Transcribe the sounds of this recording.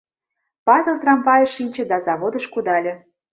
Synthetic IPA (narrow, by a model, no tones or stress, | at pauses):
pɑβʲelt̪rɑmpɑjɤ̆ʃinʲt͡ɕə̆d̪ɑzɑβod̪ə̆ʃkud̪ɑlʲĕ